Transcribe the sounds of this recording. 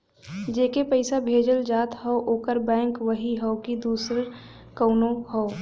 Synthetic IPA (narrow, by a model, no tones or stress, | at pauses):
d͡ʒeːkepəɪsabʱeːd͡ʒəld͡ʒaːt̪ɦɔoʔoːkəɾbɛ̃ːŋkʋəɦiɦɔokid̪uːsɾ | kəʊnõɦɔo